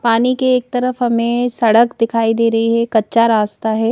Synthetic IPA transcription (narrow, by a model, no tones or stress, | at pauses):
paːnikeːk̚t̪ɐɾəfɦɐmẽsɐɽəkd̪ɪkʰaːid̪eːɾɐɦiɦɛkɐtːʃaɾaːst̪aɦɛː